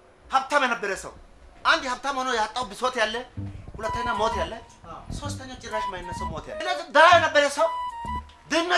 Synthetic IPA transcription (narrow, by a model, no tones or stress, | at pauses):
hɐb̚t̪ːɐmɛnɐbɛɾɛsːɐ̰w | ʔɐnd̪ɪhɐb̚t̪ːɐmɔnɔjaːt̪ʼːɐwbɪsoːt̪ɪjalːɛkʊlɐt̪ːɐjnːɐmoːt̪ɪjalːɛ | sost̪ːɐɲːɐt͡ʃʼɪɾːaʃmɐjɪnːɐsɛmoːt̪ɪja̰nɐd̪ɐːjɐnɐbɛɾɛsɐw | d̪ɪnːɐ